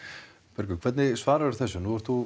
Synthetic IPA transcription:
pɛɾkʏkʰvɛt̪nɪsvaːɾaðʏɾ̥θɛsːʏnuvɛɾ̥t̪θu

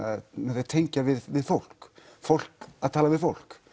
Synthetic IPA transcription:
mɛθeɾt̪ʰejɲcavɪðvɪðfowl̥kfowl̥kaðt̪ʰaːlavɪðfowl̥k

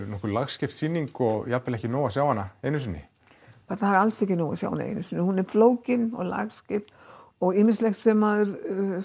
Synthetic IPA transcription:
ɾnɔhkʏɾlaɣscɪft̪siːnːiŋkɔɣjapɛlɛhcɪnoːwasjaːwhanːaeːjnʏsɪnːɪ̰ | paɾt̪ahaɾalsɛhcːɪnoːwa̰sja̰whanːaḛjnʏsɪnːɪhunɛɾfloːwcɪnɔɣla̰ɣscɪft̪ɔɣɪmɪ̥slɛxt̪sɛmaðʏɾ

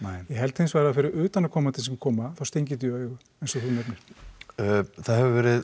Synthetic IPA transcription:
ajɛɦɛlt̪hɪnsvaːjɾafɪɾɪɾʏːt̪anakʰɔːmat̪ʰɪlsɛmkʰɔːmaθawst̪ejɲcɪt̪̬ʏœːɣʏ | ejnsɔθumɛpnɪɾ̥ | θaðhɛvʏvɛːɾɪð

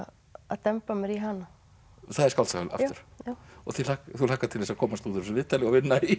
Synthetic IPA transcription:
a̰ðt̪ɛmpamɛɾiɦana | θaðɛɾskawlsahʏla̰t̪ʏɾ̥ɔθilakθulakːat̪ʰɪlɛsakʰɔːmast̪uːt̪ʏɾsʏvɪːt̪ːalɛɣɔvɪnːai

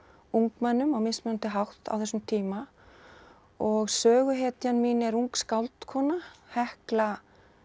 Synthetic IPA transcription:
uŋkmɛnːʏmawmɪsmʏant̪ɪɦawht̪a̰wθɛsʏmt̪ʰiːma | ɔɣsœːɣʏɦɛːt̪janmiːnɪɛɾuŋkskawlt̪kʰɔːnahɛhkla

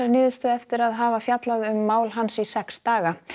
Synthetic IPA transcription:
aɾnɪːðʏst̪œɛft̪ɪɾaðɦaːvafjat̪laðʏmːaːwlɦansisɛkst̪aːɣa

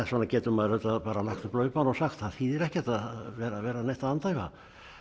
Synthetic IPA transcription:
ɛsvɔːnacɛːt̪ʏmaðhœt̪aðpaːɾalakt̪aplœːɥpaːnɔɣsakt̪ahiːðɪɾɛhcɛt̪aðʋɛːɾaʋɛːɾanɛjst̪aant̪ajva̰

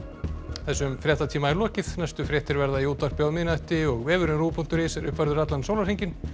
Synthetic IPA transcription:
θɛsːʏmfɾjɛht̪at̪ʰiːmaɛɾlɔːcɪθnajst̪ʏfɾjɛht̪ɪɾvɛɾðaiuːt̪ar̥pjawmɪnajht̪ɪɔɣvɛːvʏɾɪnɾuːpʰunt̪ʏɾɪsɛɾʏ̰hpvaɾðʏɾat̪lansowlaɾhejɲcɪn

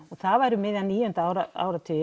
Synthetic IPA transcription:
ɔɣθavaːjɾʏmɪːðanːiːjʏʏnt̪aːwɾaa̰ːwɾat̪ʰɪ

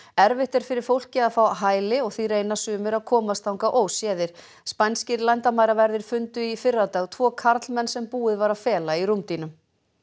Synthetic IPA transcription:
ɛɾvɪht̪ɛɾ̥fɪɾɪɾ̥fowl̥cɪaðfawɦaːjlɪɔɣθiɾejnasʏːmʏɾaðkʰɔːmast̪awŋkaʔoːwsjɛːðɪɾ̥ | spajnscɪɾlajnt̪amaːjɾavɛɾðɪɾ̥fʏnt̪ʏifɪrːat̪aɣt̪ʰvɔːkʰaɾt̪lmɛnːsɛmpuːɪðvaɾaðfɛːlaiɾumt̪inʏm

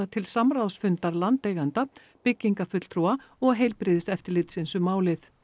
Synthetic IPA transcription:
at̪ʰɪlsamɾawsfʏnt̪aɾlant̪eːjɣant̪a | pɪcːiŋkafʏt̪l̥t̪ʰɾua | ɔɣɦejlpɾɪːðɪsɛft̪ɪɾlɪt̪sɪnsʏmaːwlɪθ

